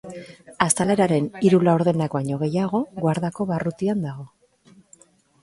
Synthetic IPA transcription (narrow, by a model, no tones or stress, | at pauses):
ast̪ale̞ɾaɾe̞niɾulawɾðe̞nakbaɲo̞ɣ̞e̞jaɣ̞o̞ɣwaɾðako̞βarut̪iand̪aɣ̞o̞